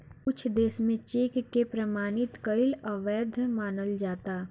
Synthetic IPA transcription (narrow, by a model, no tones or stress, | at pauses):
ʊt͡ʃʰd̪eːsmẽt͡ʃeːkkːepɾɐmaːnɪt̪kəɪlɐʋɛːd̪ʱmaːnəld͡ʒaːt̪aː